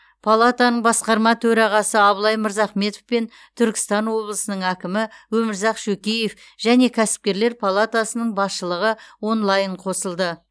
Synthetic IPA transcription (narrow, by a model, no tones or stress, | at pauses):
pʰolˠat̪anəɴbɑsqɑɾmɑt̪ʰɵɾɑʁɑsəɑbəlˠɑjməɾzɑχme̞t̪ofpe̞n | t̪ʰʏɾkʲɪ̥st̪ɑnwo̞blˠəsənəɴækʲɪmɪwɵmɪɾzɑqʃɵkʲeje̞f | ʒ̥æne̞kʲʰæsɪ̥p̚kʲe̞ɾle̞ɾpʰolˠat̪asənəɴbɑsʃəlˠəʁəwo̞nlˠɑjəɴqʰo̞səlˠd̪ə